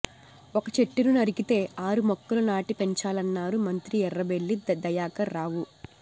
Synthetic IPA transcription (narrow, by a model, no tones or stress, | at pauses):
ɔkɐt͡ʃe̞ʈːiɾunɐɾikit̪e̞ːʔaːɾumɔkːɐlɐnaːʈipe̞ɲt͡ʃaːlɐnːaːɾumɐnt̪ɾiɛrːɐʋe̞ɭːid̪ɐjaːkɐɾːaːʋu